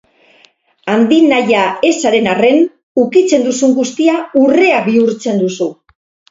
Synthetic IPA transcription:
and̪inajae̞saɾe̞nare̞n | ukit͡se̞nd̪usuŋɡust̪iaure̞aβiuɾt͡se̞nd̪usu

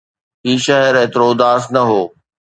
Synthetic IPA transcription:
iːʃɐɦəɾeːt̪ɪɾoːd̪aːsnɐɦoː

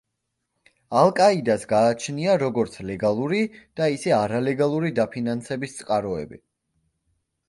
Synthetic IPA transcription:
alˠkʼaid̪asɡaːt͡ʃʰniaɾɔɡɔɾt̪sʰlɛɡalˠuɾid̪̥aisɛaɾalɛɡalˠuɾid̪apʰinansɛbist̪sʼqʼaɾɔɛ̰bḭ

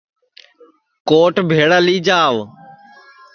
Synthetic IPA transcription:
koːʈbʱeːɽaːliːd͡ʒaːʋ

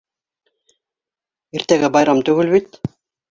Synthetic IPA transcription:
eɾt̪æɡɘbɑjɾɑmt̪ɵɡɘ̆lβit̪

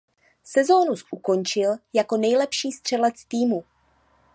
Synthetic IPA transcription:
sɛzo̞nusʔuko̞nt͡ʃɪljako̞nɛjlɛpʃiːst̪r̝̥ɛlɛt͡st̪iːmu

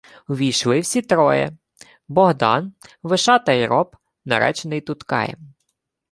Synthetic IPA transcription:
uʋʲijʃlˠɪwsʲit̪ɾɔjɛ̰ | bɔɦd̪ɑ̰nʋɪʃɑt̪ɐjɾʔɔp | nɐ̰ɾɛ̰t͡ʃnɪjt̪ʊt̪kɑ̰jɛ̰m

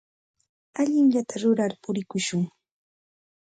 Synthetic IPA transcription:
aʎɪŋʎat̪ʰaɾʊɾaɾpʊɾɪkʊʃʊŋ

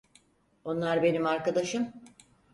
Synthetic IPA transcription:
o̞nlˠaɾbe̞nimaɾkad̪aʃɯm

